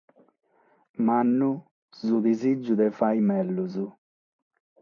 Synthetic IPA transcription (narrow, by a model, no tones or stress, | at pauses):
manːu | zud̪izid͡ʒːud̪ɛfajmɛlːuzu